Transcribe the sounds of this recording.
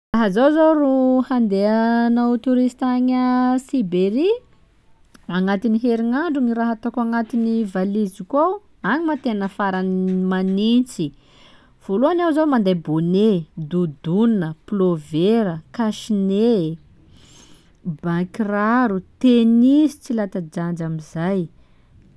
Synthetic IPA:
raɦəzowzowruhand̪eanaut̪uɾist̪aɲəsibeɾi | aŋat̪iniɦeɾiŋaɳɖ͡ʐuŋiɾaɦat̪akuaŋat̪inivalizikaw | aɲimat̪enəfaɾanmanint͡si | v̥oluanawzawmand̪ajboned̪ud̪unəploveɾəkaʃine | bakiraɾut̪enizi̥t͡silat̪ad͡ʒand͡ʒamizaj

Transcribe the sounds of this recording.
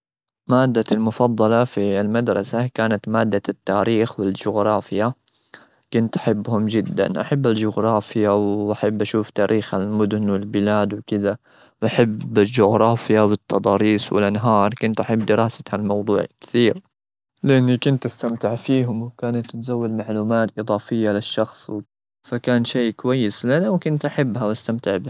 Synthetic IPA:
maːd̪ːalmʊfɑd̪ˤːɑlɑfilmad̪ɾˤɑ̰sakaːnat̪maːd̪ːat̪ːaːɾiːxwɪld͡ʒʊɣɾˤɑːfɪja | kʊnt̪ʔḁħɪbːhʊmd͡ʒɪd̪ːa̰nʔaħabːald͡ʒʊɣɾˤɑːfɪjawʔaħabːʔaʃuːft̪aːɾʔiːxalmʊd̪ʊnwɪlbɪlaːd̪wɪkɪd̪a | wʔaħabald͡ʒʊɣɾˤɑːfɪjawɪt̪ˤːɑd̪ˤɑːɾiːsˤwɪ̰lʔanɦɑːɾˤkʊnt̪ʔaħabːd̪ɪɾɑːsḁhalmɑwd̪ˤuːʕlkɪ̥θiːɾ | lɪʔanːikʊnt̪ʔast̪amt̪ɪʕfiːɦʊmwkaːnat̪ːɪt̪zawːad̪maʕluːmaːt̪ʔɨðˤɑːfɪjːalɪʃːɑxsˤw | fakaːnʃeːkʊwajːɪslanawkʊnt̪ʔaħabːɦawʔast̪amt̪ɪʕbɪh

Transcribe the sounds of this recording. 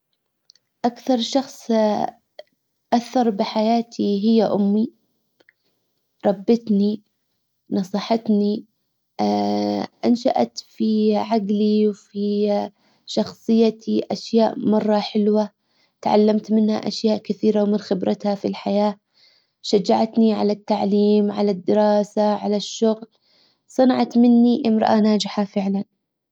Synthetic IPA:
ʔakθɑɾˤʃɑxsˤ | ʔaθːɑɾˤbɪħajaːt̪ʰiɦɪjːaʔʊmːi | ɾˤɑbːɪt̪ni | nɑsˤiːħɑt̪ni | ʔanʃa̰ʔa̰t̪fiʕaɡliwfi | ʃɑxsˤɨjːat̪ʰiʔaʃjaːʔmɑrˤːɑħɪlwa | t̪ʕa̰lːamt̪mɪnha̰ʔaʃjaːʔkɪθiːɾawmɪnxɪbɾɑt̪hafilħajaː | ʃad͡ʒːaʕat̪niʕa̰lat̪ːaʕliːmʕa̰lad̪ːɪɾɑːsaʕalaʃːʊɣl | sˤɨnɑʕɑt̪mɪnːiʔɪmɾˤɑ̰ʔanaːd͡ʒɪħafɪʕlan

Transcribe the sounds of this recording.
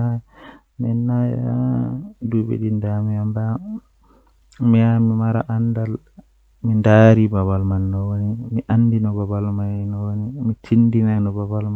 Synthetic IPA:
a | mɛnːaj̰a | dubḛɗindamiamba | mijamimaɾa̰ʔandal | mindaːɾibaβalmanːɔwonimiʔandinɔbabalmanɔwonimit͡ʃindinanɔbabalma

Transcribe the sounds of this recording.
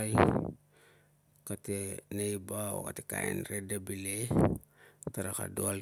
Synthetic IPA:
j | katenejbao̰katekaḛnɾedabile | taɾaka̰doal

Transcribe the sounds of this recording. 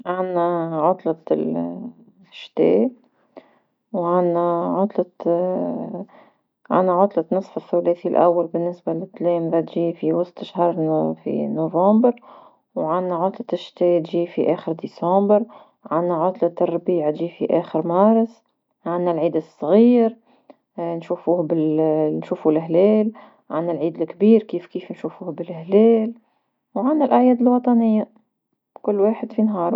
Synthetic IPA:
ʕanːaʕʊt̪ˤlɑt̪l | ʃt̪eː | wʕanːaʕʊt̪ˤlɑ | ʕa̰nːaʕʊt̪ˤlɑt̪nɨsˤfɪθːuleːθilʔa̰wːalbɪnːɪsbalɪt̪ːleːmðat̪ʒiːfiwɑst̪ˤʃhɑɾˤfḭnovɑ̃ːmbɪɾ | wʕanːaʕʊt̪ˤlɑt̪ɪʃt̪eːʔt̪ʒiːfiʔeːxɪɾd̪iːsɑ̃mbɪɾ | ʕanːaʕʊt̪ˤlat̪ːɑrˤːbiːʕat̪ʒiːfiʔæːxəɾmɑːɾˤɑs | ʕanːælʕiːd̪ɨsˤːɣiːɾ | nʃuːfuːhbɪlnʃuːfulɦlɛːl | ʕanːælʕiːd̪ɪlkbiːɾkiːfkiːfnʃuːfuːhbɪlhlɛːl | wʕanːælʔaʕjɛːd̪ɪlwɑt̪ˤɑnɪjːa | kʊlːwaːħɪd̪finɦɑːɾˤ

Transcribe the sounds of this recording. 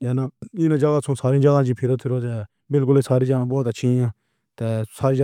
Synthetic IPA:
jaːnaːɪːnãːd͡ʒəɡaːsõːsaːɾĩːd͡ʒəɡãːd͡ʒiːpʰɪɾət̪ʰɪɾoːd͡ʒaː | bɪlkʊleːsaːɾiːd͡ʒəɡãːbɔːt̪ət͡ʃʰĩːãː | t̪eːsaːɾiːd͡ʒ

